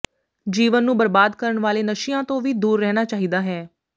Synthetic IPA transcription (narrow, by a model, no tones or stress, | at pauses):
d͡ʒiːʋənːũːbəɾbaːd̪kəɾəɳʋaːleːnəʃijãːt̪õːʋiːd̪uːɾːɛːnaːt͡ʃaːɦiːd̪aːɦɛː